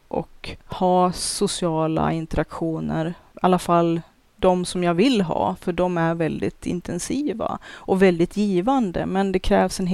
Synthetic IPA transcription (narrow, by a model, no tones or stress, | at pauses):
ʔɔ̰khɑːsʊsɪɑːla̰ɪnt̪əɾakɧuːnəɾalːafalː | d̪ɔmsɔmjavɪlɦɑ̰ːfœɖɔmæɾvɛld̪ɪ̰t̪ʰɪ̰nt̪ʰɛnsiːva̰ʔɔvɛld̪ɪt̪ʰjiːvand̪ə̰mɛnd̪ɛkʰɾɛːvsɛnɦ